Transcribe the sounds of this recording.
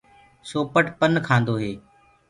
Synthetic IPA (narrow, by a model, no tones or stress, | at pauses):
soːpəʈpənkʰãːnd̪oːɦeː